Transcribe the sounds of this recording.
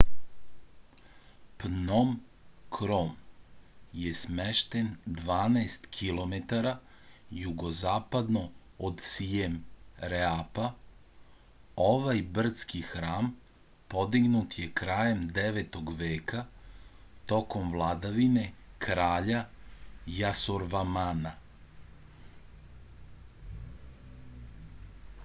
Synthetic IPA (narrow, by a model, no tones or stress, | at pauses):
pnom | kʰɾom | jesmeʃt̪end̪ʋaːnast̪kʰilo̞met̪aɾa | juɡo̞zaːpad̪no̞ | od̪sijemɾeapa | oʋajbr̩t̪skixɾaːm | po̞d̪iɡnut̪je̞kɾaːjemd̪eʋet̪o̞ɡʋeːka | t̪o̞ko̞mʋlˠad̪aʋine̞kʰɾaːʎa | jasoɾʋamana